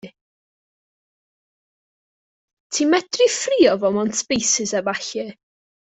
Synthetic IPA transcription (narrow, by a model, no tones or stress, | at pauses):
tʰiːmɛd̥rɪfriːɔvɔmɔntʰb̥ejsɪsɛbaɬɪ